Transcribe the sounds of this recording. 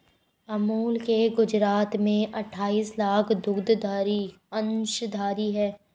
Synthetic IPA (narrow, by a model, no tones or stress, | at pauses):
ɐmuːlkeɡʊd͡ʒɾaːt̪mẽʔɐʈʰːaːiːslaːkʰd̪ʊɡd̪d̪ʱaːɾi | ɐ̃nʃd̪ʱaːɾiɦɛː